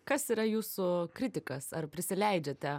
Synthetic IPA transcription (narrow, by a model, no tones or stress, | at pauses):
kɐsiːɾɐjuːsʊkɾʲɪt̪ʲɪkɐsɐrpʲɾʲɪsʲɪlʲɛɪd͡ʒʲɛt̪ʲɛ